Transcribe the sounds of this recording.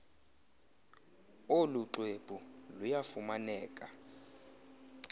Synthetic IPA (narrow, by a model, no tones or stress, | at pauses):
oluǁeb̥ʱulujafumanɛːkʼa